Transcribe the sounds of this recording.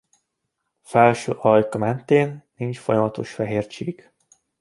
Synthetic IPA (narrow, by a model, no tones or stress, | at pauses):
fɛlʃøːʔɒjkɒmɛnt̪eːnːint͡ʃfo̞jɒmɒt̪o̞ʃfɛɦeːrt͡ʃiːɡ